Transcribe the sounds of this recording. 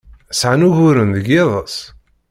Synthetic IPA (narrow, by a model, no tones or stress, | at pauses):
sʕanuʝʊɾənðəɡeðˤəsˤ